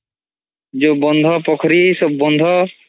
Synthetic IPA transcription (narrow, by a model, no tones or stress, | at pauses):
d͡ʒoːbɔnd̪ʱɔːpɔkʰɾiːsɔbːɔnd̪ʱɔː